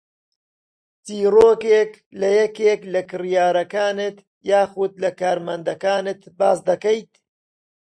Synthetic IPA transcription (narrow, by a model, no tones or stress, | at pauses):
t͡siːroːkeːk | lɐjɐkeːklɐkɨrjaːɾɐkaːnɨt̪ | jaːxud̪̚lɐkaːɾmɐnd̪ɐkaːnɨt̪baːs̬d̪ɐkɐjt̪